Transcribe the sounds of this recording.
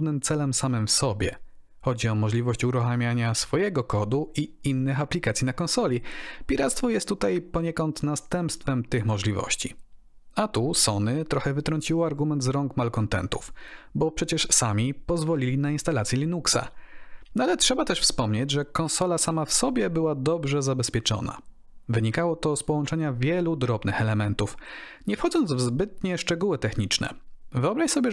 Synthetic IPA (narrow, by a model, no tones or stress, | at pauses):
vnɘmt̪sɛlɛmsamɘmfsɔbʲjɛ̰ | xɔd͡ʑiɔmɔʐlʲivɔɕt͡ɕuɾuxamʲjaɲasfɔjɛɡɔkɔd̪uʔiinːɘxaplʲikat̪sʲjinakɔnsɔlʲipʲiɾat̪st̪fɔjɛst̪ːut̪ajpɔɲɛkɔnt̪nast̪ɛmpst̪fɛmt̪ɘxmɔʐlʲivɔ̰ɕt͡ɕi | at̪usɔnɘt̪ɾɔxɛvɘt̪ɾɔɲt͡ɕiwɔaɾɡumɛnt̪zɾɔŋkmalkɔnt̪ɛ̰nt̪ufbɔpʂɛt͡ɕɛʂsamʲipɔzvɔlʲilʲinainst̪alat̪sʲjɛlʲinuksa̰nalɛtʂɛbat̪ɛʂfspɔmɲed͡ʑʐɛkɔ̃ñsɔlasamafsɔbʲjɛbɘwad̪ɔbʐɛzabɛspʲjɛt͡ʂɔ̰na̰ | vɘɲikawɔt̪ɔspɔwɔnt͡ʂɛɲavʲjɛlud̪ɾɔbnɘxɛlɛmɛnt̪uf | ɲɛfxɔd̪zɔnd̪zvzbɘt̪̚ɲɛʂt͡ʂɛɡuwɘt̪ɛxɲit͡ʂnɛ̰vɘɔbɾaɕsɔbʲjɛ